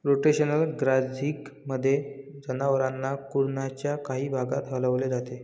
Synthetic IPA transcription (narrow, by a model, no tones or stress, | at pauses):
ɾoʈeɕənəlɡɾad͡zʱiːkməd̪ʱːjed͡zənaʋəɾanːakuɾnat͡ɕjakaɦiːbʱaɡat̪ɦələʋled͡zat̪e